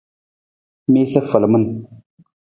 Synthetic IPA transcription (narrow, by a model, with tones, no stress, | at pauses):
mi˦sə˦fə˨lmə˦n